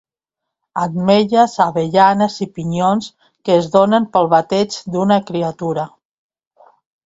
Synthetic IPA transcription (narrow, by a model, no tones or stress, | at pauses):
ad̪meʎəzaβeʎanezipiɲons | kəːzðonəmpəlˠβat̪ɛd͡ʒd̪unəkɾiat̪uɾə